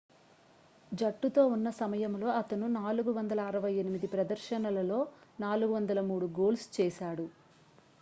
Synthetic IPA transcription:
d͡ʒɐʈːut̪o̞ːunːɐsɐmɐjɐmlo̞ːɐt̪ɐnunaːluɡuʋɐnd̪ɐlɐːɾɐʋɐje̞nimid̪ipɾɐd̪ɐɾʃɐnɐlɐlo̞ːnaːluɡuʋɐnd̪ɐlɐmuːɽuɡo̞ːlst͡ʃɛːʃaːɽu

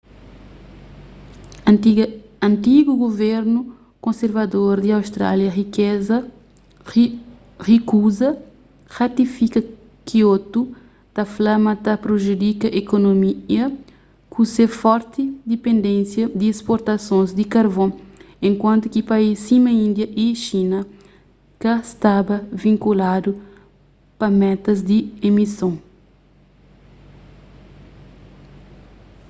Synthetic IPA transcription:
ɐ̃nt̪iɡuɡoveɾnu | kõnseɾvɐd̪oɾd̪iawst̪ɾa̰ljɐʁikɛzɐ | ʁikuzɐ | ʁat̪ifikɐ | kiot̪u | t̪ɐflamɐt̪ɐpɾoʒud̪ikɐʔekonomiɐ | kʰusefɔɾt̪id̪epẽnd̪ẽnsjɐd̪iespoɾt̪ɐsõnzd̪ikɐɾvõ | ẽŋkwɐ̃nt̪ukipaisimɐĩnd̪jɐʔiʃinɐ | kɐst̪abɐvĩŋkulad̪u | pɐmɛt̪ɐzd̪iemisõ

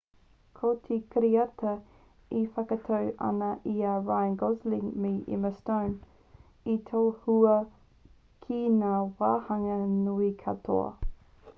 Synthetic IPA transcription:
kʰotʰikʰəɾiɐtɐ | ifɐkɐtʰɐwʔɐ̰nɐʔiaːvajŋɡozliŋmeʔɪ̰məstown | itʰowhuɐ | kʰinaːwaːhɐŋɐnuikʰɐtʰo̰ɐ̰

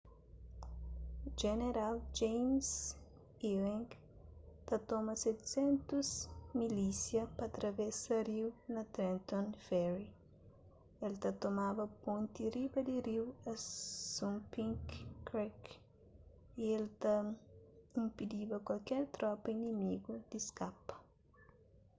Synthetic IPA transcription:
d͡ʒeneɾald͡ʒejms | ilẽŋɡ | t̪at̪omɐsɛt̪sẽnt̪uzmilisjɐpɐːt̪ɾɐvesɐɾiwnɐt̪ɾẽnt̪õnfɛɾi | elt̪ɐt̪omabɐpõnt̪iɾibɐd̪iɾiwɐsũmpĩŋkːɾɛk | ielt̪ɐ | ĩmpid̪ibɐkwɐlkɛɾt̪ɾɔpɐinimiɡud̪̥iskapɐ̥

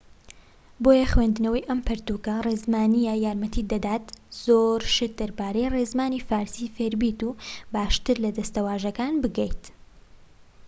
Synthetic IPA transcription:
boːjɐxweːnd̪ɨnɐwɐjʔɐmpʰɐɾt̪uːkɐrezmaːnijajaːɾmɐt̪ʰiːd̪ɐd̪aːt̪z̥oːɾʃɪt̪̚d̪ɐɾbaːɾejreːzmaːniːfaːɾsiːfeɾbiːt̪ubaːʃt̪ɨɾlɐd̪ɐst̪ɐwaːʒɐkaːnbɨɡɐjt̪

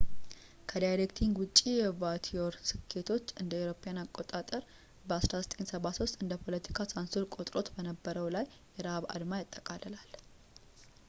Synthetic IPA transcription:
kʰəd̪ajɾekt̪ʰiŋɡwʊt͡ʃʼːijɛvat̪ʰioɾsɨkʰːe̞t̪ʰo̞t͡ʃːɨnd̪əewɾo̞pʰjanakʼo̞t̪ʼat̪ʼəɾ | bəasɾasə̥t̪ʼʰe̞nsəβaso̞st̪ʼɨnd̪əpʰo̞lət̪ʰi̥kʰasansuɾkʼo̞t̪ʼɾo̞t̪bənəbːəɾəwlajːɛɾaβa̰d̪majat̪ʼːəkʼaləlal

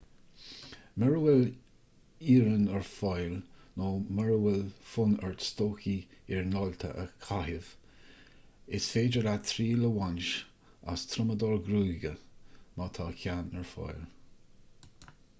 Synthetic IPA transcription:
məɹəwɪl | iːɾənəɹfɔjlnoːməɹəwɪlfʊnəɹtst̪oːkiɪɹnɔlt̪ʰə̰ʔə̰kʰaɦɪv | ɪsfeːd͡ʒəɾat̪ʰɾiːləwanʃ | a̰st̪ʰɾʊməd̪ɔɹɡɾuːɡəmat̪ʰɑːkʰʲanəɹfɔ̰jl

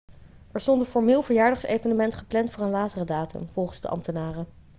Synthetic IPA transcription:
ɛɹstɔntənfɔɹmɪːlˠvəɹjaːɹdɑχsḛjvənəmɛntχəplɛntfʊːɹənlaːtərədaːtə̰mv̥ɔlˠχənzdə̰ʔɑ̰mtənaːrə

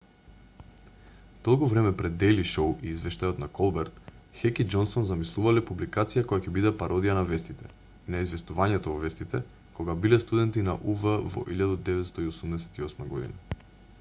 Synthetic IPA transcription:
d̪̥ɔlˠkɔvɾɛmɛpɾɛd̪ːɛjliʃowiːzvɛʃt̪ajɔt̪nakɔlˠbɛɾt̪ | xɛkid͡ʒɔnsɔnzamislˠuvalɛpublikat̪sijakɔjacɛbid̪ɛpaɾɔd̪ijanavɛst̪it̪ɛ | inaizvɛst̪uvaɲɛt̪ɔvɔvɛst̪it̪ɛ | koɡabilɛst̪ud̪ɛnt̪inaʔuvəvɔ̰ʔiʎad̪ad̪ɛvɛt̪st̪ɔiosumnɛsɛ̥t̪iɔsmaɡɔd̪ḭna

